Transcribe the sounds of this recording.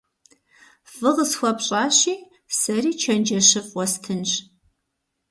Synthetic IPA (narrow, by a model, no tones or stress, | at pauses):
fɨʁəsxʷɔpɕʼɑːɕiː | sɐriːt͡ʃʰɐnd͡ʒɐɕɨfʼʷɔstʰɨnɕ